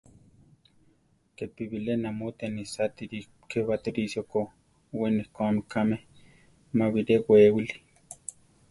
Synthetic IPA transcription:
kepiwilenamot̪enisat̪i | kewat̪iɾisjoko | wenihkʷamikameh | mawiɾewewili̥

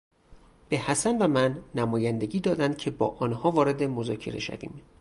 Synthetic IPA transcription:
b̥e̞hæsænvæmænːæmɒːjænd̪e̞ɟiːd̪ɒːd̪ænd̪̥̚cʰe̞bɒ̰ːʔɒːnhɒːvɒːɾe̞d̪emozɒːcʰe̞̰ɾeʃæ̰vḭːm

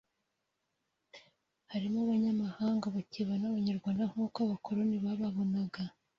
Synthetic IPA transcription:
haɾimoβaɲamahaːŋɡaβaciβanaβaɲaɾɡwaːndaŋuːkaβakʰoɾoniβaβaβonaɡa

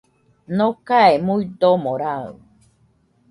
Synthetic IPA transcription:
nokaemujd̪omoɾa

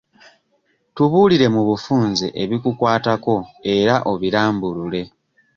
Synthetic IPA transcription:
tuβuːliɾe̞muβufuːnzḛʔeβikukwaːtako̞e̞ɾaʔo̞βiɾaːmbulule̞

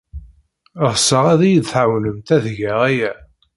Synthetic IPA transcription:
əʁsəʁæðæjid̪θʕawnəmt̪æðʝæʁæjæ

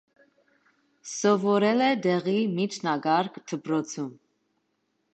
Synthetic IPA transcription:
sɔvɔɾɛlɛd̪ɛʁimit͡ʃʰnɑɡɑɾkʰt̪ʰəpɾɔt͡sʰum

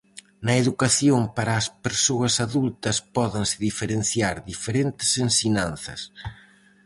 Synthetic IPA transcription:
nɐeðukaθjoŋpaɾɐːspeɾsoɐsaðult̪ɐspɔðɪŋsɪðifeɾenθjaɾðifeɾent̪ɪ̥sensiɲãnθɐ̰s

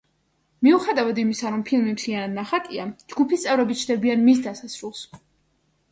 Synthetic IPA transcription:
miuχɛd̪avad̪imisaɾɔmpʰilˠmimt̪ʰlianad̪naχak̪ʼiad͡ʒɡupʰist̪sʼɛvɾɛbit̪t͡ʃʰd̪ɛbianmis̬d̪asasɾulˠs

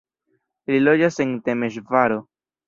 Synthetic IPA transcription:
lilo̞d͡ʒase̞nte̞me̞ʃ̬vaɾo̞

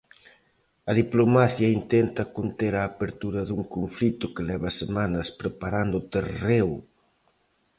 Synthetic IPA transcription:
ɐðiplomaθjɐint̪ent̪ɐkont̪eɾaːpeɾt̪uɾɐðuŋkoɱflit̪ʊkelɛβɐsemanɐspɾepaɾand̪ʊt̪erew

